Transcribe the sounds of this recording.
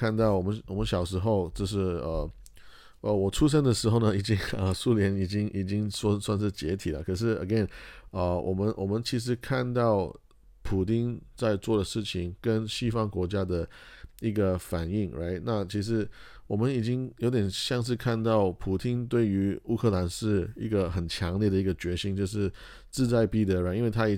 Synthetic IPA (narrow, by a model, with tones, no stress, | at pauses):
a˥˧nt̪ɑ˥˩ʊwɔ˨˩mə˦nwɔ˨˩mə˦nɕjɑ˨˩ʊʂ̬ɻ̩˧˥xo˥˧ʊʈ͡ʂɤ˥˧ʊʂ̬ɻ̩˥˩ə˩ | ʔə˧wɔ˨˩ʈ͡ʂʰu˥ʂ̬ə˥nd̪ə˨ʂɻ̩˧˥xo˥˧ʊnə˩i˨˩t͡ɕi˥ŋə˧su˥ljɛ˧˥ni˨˩t͡ɕi˥ŋʔi˨˩t͡ɕi˥ŋsnswa˥˧nʂɻ̩˥˩t͡ɕjɛ˧˥t̪ʰi˨˩lə̰˦kʰɤ˨˩ʂ̬ɻ̩˥˩ə̰˧˩ɡɛ˥˩nə˧˩wʔɔ˨˩mə˧˦nwɔ˨˩mə˧˦nt͡ɕʰi˧˥ʂ̬ɻ̩˧˥kʰa˥˧nt̪ɑ˥˩ʊ | pʰu˨˩t̪i˥nt͡sa˥˧ɪt͡swɔ˥˩d̪ə˩ʂɻ̩˥˩t͡ɕʰi˨˩ŋkə˥nɕi˥fɑ˥ŋkwɔ˧˥t͡ɕja˥d̪ə˨i˧˥ɡə˧fa˨˩ni˥˩ŋɹʔa̰˥ɪna˥˩t͡ɕʰi˧˥ʂ̬ɻ̩˧˥ | wɔ˨˩mə˦ni˨˩t͡ɕi˥ŋjo˧˥ʊt̪̬jɛ˨˩nɕjɑ˥˧ŋʂ̬̩˥˧kʰa˥˧nt̪ɑ˥˩ʊpʰu˨˩t̪i˥nt̪we˥˩ɪy˧˥u˥˧kʰɤ˥˧la˧˥nʂɻ̩˥˧i˧˥ɡə˧xə˨˩nt͡ɕʰjɑ˧˥ŋljɛ˥˩d̪ə˩i˧˥ɡə˧t͡ɕɥɛ˧˥ɕi˥nt͡ɕjo˥˧ʊʂɻ̩˥˧ | t͡sɹ̩˥˧t͡sa˥˧ɪpi˥˩d̪ə˧ɻa˥˩i˥nwe˥˩ɪt̪ʰa˥i˨˩